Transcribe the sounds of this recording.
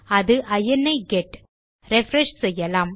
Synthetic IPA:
ɐðɯʔɐjɐnːɐɪɡɛʈ | ɾɛfɾɛʂsɛjːɐlaːm

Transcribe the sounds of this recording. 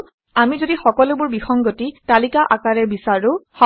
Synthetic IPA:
amizodixɔkɔlʊbʊɹbixɔŋɡotitalikaʔakaɹɛbisaɹʊhɔ

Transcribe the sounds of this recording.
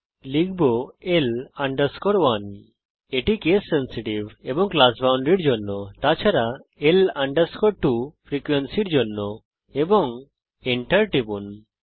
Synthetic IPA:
lik̚ʰbɔelaɳɖəɾskɔɽwan | eʈikesːensiʈibebɔŋklasbawɳɖɾiɽd͡ʒɔnːɔt̪at͡ʃʰaɾaelaɳɖəɾskɔɽʈupʰɾikwensiɽd͡ʒɔnːɔ | ebɔŋ | ɛɳʈəɾʈibun

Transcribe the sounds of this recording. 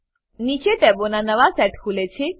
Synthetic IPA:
nit͡ʃeʈɛbonanəʋasɛʈkʰulet͡ʃʰe

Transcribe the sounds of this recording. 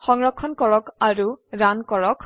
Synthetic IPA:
xɔŋɹɔkʰːɔnkɔɹɔkaɹuɹankɔɹɔkʰ

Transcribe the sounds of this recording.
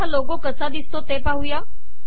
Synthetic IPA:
alokokəsad̪ist̪ot̪epaɦuja

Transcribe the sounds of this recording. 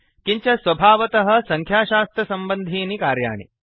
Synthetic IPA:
kiɲt͡ɕɐsʋɐbʱaːʋɐt̪ɐɦɐ̆sɐŋkʰjaːʃaːst̪ɾɐsɐmbənd̪ʱiːnikaːɾja̰ːɳḭ

